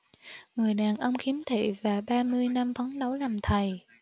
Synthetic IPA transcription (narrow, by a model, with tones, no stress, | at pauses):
ŋɨ˨˩əjɗaː˨˩nʔə˧wŋ͡mxi˨˦əmt̪ʰḛ˧˨vaː˨˩ɓaː˧mɨ˧əjna˧mfə˨˦nɗə˨˦wlaː˨˩mt̪ʰə˨˩j